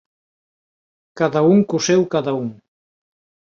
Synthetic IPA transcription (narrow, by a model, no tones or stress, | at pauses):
kaðauŋkusɛwkaðauŋ